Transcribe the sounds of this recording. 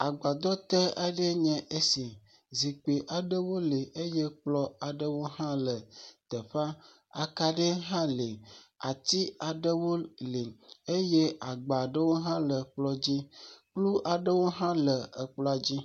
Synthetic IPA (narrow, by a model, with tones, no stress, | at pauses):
a˨ɡ͡ba˨d̪ɔ˦t̪ə˦ʔa˦ɖe˦ɲɛ̃˨ʔe˦si˨ | zi˨k͡pe˨ʔa˨ɖə˦wo˦le˨ʔe˦je˦k͡plɔ˦a˨ɖə˦wo˦ɦã˦lə˨t̪ə˨ɸa˦ | a˨ka˦ɖe˦ɦã˦le˨a˨t̪i˦a˨ɖə˦wo˦le˨e˦je˦a˨ɡ͡ba˨ɖə˦wo˦ɦã˦lə˨k͡plɔ˦d͡ʑi˦k͡plu˦ʔa˨ɖə˦wo˦ɦã˦lə˨ə˨k͡plɔ˦a˨d͡ʑi˦